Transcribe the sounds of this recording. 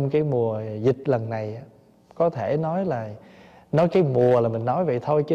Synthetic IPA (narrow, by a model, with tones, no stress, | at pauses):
ŋ͡mkaː˨˦jmu˨˩əzï˨˩t̟̚lə˨˩nːa˨˩jʔaː˨˦ | kɔ˨˦t̪ʰe˧˩˨nɔ˨˦jlaː˨˩ | nɔ˨˦jkaː˨˦jmu˨˩əlaː˨˩mï˨˩ŋ̟nɔ˨˦jvə̰˧˨jt̪ʰo˧jt͡ɕɨ˧˦